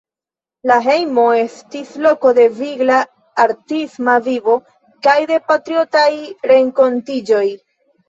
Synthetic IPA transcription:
laɦe̞jmo̞e̞stislo̞ko̞de̞viɡlaː | ɾtismavivo̞ | kajde̞patɾio̞tajɾe̞ŋko̞ntid͡ʒo̞j

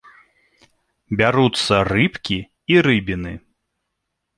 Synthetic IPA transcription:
bʲaɾut̪sɐrɨpkʲi | iɾɨbʲinɨ

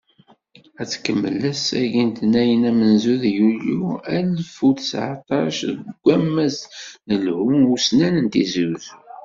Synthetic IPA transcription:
æt͡sːkəmːə̰læsæ̰ʝint̪næjənæmənzuðjuluælfuθsʕa̰t̪ˤɑʃðəɡʷːæmːæznəlhunusnænənt̪izuð

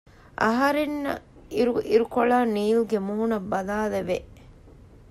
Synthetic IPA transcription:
ʔɐ̰ɦɐɾenːɐ̰ | ɾuiɾukoɭaːniːlɡemuːunɐbːɐlaːleʋeʔ

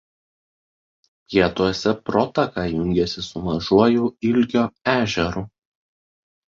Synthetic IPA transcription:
pʲiɛt̪uɔsʲɛpɾɔt̪ɐkɑjʊŋʲɡʲɛsʲɪsʊʋɐʒuɔjuːɪlʲɡʲoːæːʒʲɛɾu

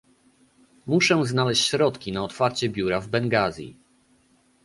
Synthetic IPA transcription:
muʂɛ̃znalɛɕt͡ɕɕɾɔt̪kʲinaɔt̪faɾt͡ɕɛbʲjuɾavbɛŋɡazʲḭ

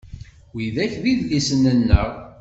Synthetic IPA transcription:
wiðæçðiðlisənːənːəʁ

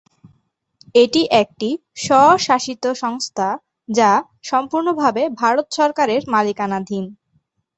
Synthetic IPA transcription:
eʈiʔɛk̚ʈi | ʃɔʃaʃit̪oʃɔŋst̪ʰa | d͡ʑa | ʃɔmpuɾnobʱabebʱaɾot̪ʃɔɾkaɾeɾmalikanad̪ʱin

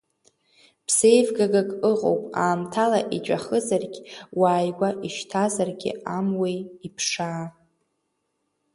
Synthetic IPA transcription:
pʰsejvɡaɡakʼɨʁʼo̰wpʼaːmtʰalaʔit͡ʃʷʼa̰χəzarɡʲwaːjɡʷaʔiʃtʰazarɡʲɪ̰amwejipʰʂaː

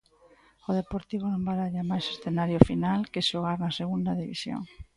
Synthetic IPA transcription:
oðepoɾt̪iβ̞onõmbaɾaʎamajsesθenaɾjʊfinalkɪʃoɣ̞aɾnɐseɣund̪ɐðiβḭsjo̰ŋ

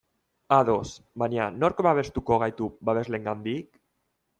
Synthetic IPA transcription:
aðo̞sbaɲano̞ɾkβaβe̞st̪ukoɣ̞ajt̪ubaβe̞zle̞ŋɡand̪ik

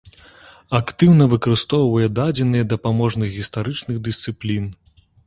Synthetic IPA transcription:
akt̪ɨwnɐvɨkɐɾɨst̪ɔwvɐjɛd̪ad͡zʲɛnɨjɛd̪ɐpamɔʐnɨɣɣʲist̪aɾɨt͡ʂnɨɣd̪ɨst̪sɨplʲin

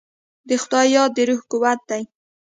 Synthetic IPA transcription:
d̪əxʊd̪ɑjɑd̪əɾuhkuwat̪̚d̪aj

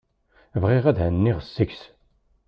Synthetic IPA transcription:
vʁɪʁæðhənːiʁəsːəçs

